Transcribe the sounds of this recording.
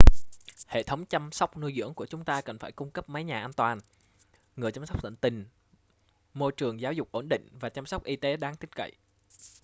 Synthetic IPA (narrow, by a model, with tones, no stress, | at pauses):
hḛ˧˨t̪ʰə˨˦wŋ͡mt͡ɕa˧msa˦˥wk͡p̚nu˧jzɨ̰˧˥əŋku˧˩ət͡ɕʊ˨˦ŋ͡mt̪aː˧kə˨˩nfaː˧˩jkʊ˧ŋ͡mkə˦˥p̚ma˨˦jɲaː˨˩ʔaː˧nt̪waː˨˩n | ŋɨ˨˩ət͡ɕa˧msa˦˥k͡p̚t̪ə̰˧˨nt̪ï˨˩ŋ̟ | mo˧jt͡ɕɨ˨˩əŋzaː˨˦wzʊ˨˩k͡p̚ʔo˧˩nɗḭ̈˧˨ŋ̟vaː˨˩t͡ɕa˧msa˦˥k͡p̚ʔi˧t̪e˨˦ɗaː˧ŋt̪ʰï˦˥ŋkə̰˧˨j